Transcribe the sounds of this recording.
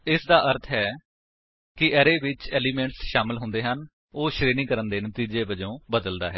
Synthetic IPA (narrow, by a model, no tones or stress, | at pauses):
ɪsd̪aːʔəɾt̪ʰɦɛː | kɪʔɛːɾeːʋɪt͡ʃɛːliːmɛ̃ːɳʈsʃaːmɪlɦʊ̃nd̪eːɦən | oːʃɾeːnĩːkəɾənd̪eːnət̪iːd͡ʒeːʋəd͡ʒõːbəd̪əld̪a̰ːɦɛː